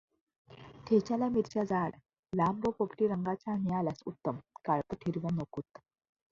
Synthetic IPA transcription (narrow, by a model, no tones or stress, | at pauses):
t̪ʰet͡ɕalamiɾt͡ɕjad͡zaɽ | lamɡopopʈiːɾəŋɡat͡ɕanijalasut̪ːəmkaɭpəʈʰiɾʋənokut̪